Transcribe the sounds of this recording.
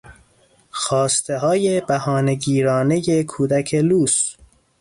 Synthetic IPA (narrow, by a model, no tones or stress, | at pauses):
xɒːst̪ʰe̞ɦɒːje̞bæhɒːne̞ɟiːɾɒːne̞je̞kʰuːd̪æcʰe̞luːs